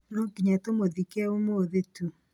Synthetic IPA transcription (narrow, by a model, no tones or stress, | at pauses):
nɔkiɲatomoðikɛomoðetu